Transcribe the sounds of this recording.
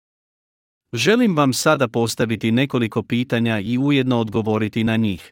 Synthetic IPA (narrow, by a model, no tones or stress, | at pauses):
ʒe̞limʋamsad̪apo̞st̪aʋit̪ine̞ko̞liko̞piːt̪aɲaiuje̞d̪no̞ːd̪ɡo̞ʋo̞ɾit̪inaɲiːx